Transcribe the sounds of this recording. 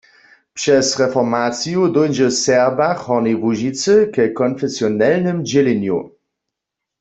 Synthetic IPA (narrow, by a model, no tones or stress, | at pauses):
pʃɛsʁɛfɔʁmat͡sijudojnʒəsɛʁbaχhɔnevuʒit͡səkɛkɔnfɛsjɔnɛlnəmd͡ʒelenjṵ